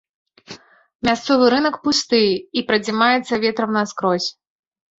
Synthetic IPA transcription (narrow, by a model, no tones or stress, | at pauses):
mʲast̪sɔvɨɾɨnɐkpust̪ɨjipɾɐd͡zʲimajɛt̪sːɐvʲɛt̪ɾɐwnaskɾɔsʲ